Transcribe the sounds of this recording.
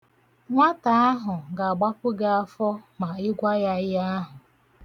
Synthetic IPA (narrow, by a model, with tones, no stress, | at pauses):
ŋʷa˦ta˨a˦ɦʊ˨ɡa˨a˨ɡ͡ba˦pʊ˦ɡa˦a˦fɔ˦ma˨ɪ˦ɡʷa˦ja˦ɪ˦a˦ɦʊ˨